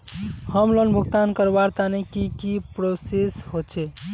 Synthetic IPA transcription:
həmlənbʱuɡt̪ankəɾbaɾt̪anɛkikipɾosesɦot͡ʃʰɛ

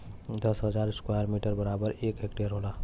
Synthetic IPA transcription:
d̪əsɦəzaːɾɪskwajəɾmiːʈəɾbəɾaːbəɾeːkɦekʈeɾɦoːlaː

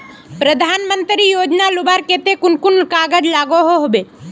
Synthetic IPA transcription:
pɾəd̪ʱaːnmə̃nt̪ɾijoːd͡ʒnalʊbaːɾket̪ekʊnkʊnkaːɡəd͡ʒlaːɡoɦoɦobe

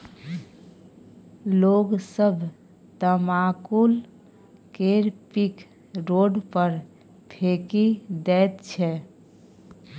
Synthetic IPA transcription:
loɡsəbʱ | t̪əmakul | keɾpik | ɾoɖpəɾ | pʰekid̪ɛt̪t͡ʃʰɛ

